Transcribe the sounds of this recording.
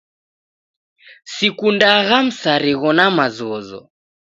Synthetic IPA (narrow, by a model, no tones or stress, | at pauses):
sikundaɣam̩saɾiɣɔnamazɔzɔ̰